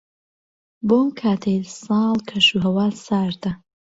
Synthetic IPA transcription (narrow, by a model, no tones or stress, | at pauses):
boːmkʰaːt̪ʰejlsɑːlˠkʰɐʃuɦɐwaːsaːɾd̪ɐ